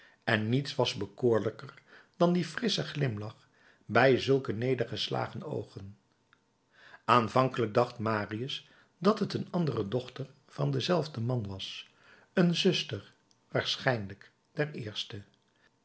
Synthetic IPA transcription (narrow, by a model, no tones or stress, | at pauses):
ɛnːitsʋɑzbəkoːɹləkəɹd̥ɑndifrɪsəχlɪmlɑχ | bɛjzɵlˠkənejdəɹχəsla̰ːχəno̰wχən | ʔaːnvɑŋkələɡ̚dɑχtmaːriəs | dɑtɦətənɑndərədɔχtəɹ | v̥ɑndəzɛlˠvdəmɑnʋɑs | ənzɵstəɹ | ʋaːɹsχɛjnlək | d̥ɛɹɪːɹstə